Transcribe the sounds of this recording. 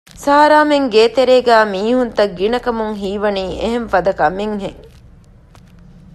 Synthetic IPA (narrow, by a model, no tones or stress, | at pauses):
saːɐɾaːmeŋɡeːt̪eɾeːɡæːmiːhunt̪ɐɡinɐkɐmuŋɦiːʋɐniːeɦeɱfɐd̪ɐkɐmeŋɦeŋ